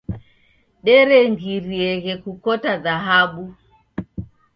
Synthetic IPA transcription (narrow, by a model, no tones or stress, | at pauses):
ɗɛɾɛŋɡiɾiɛɣɛkukɔtaðaɦaɓu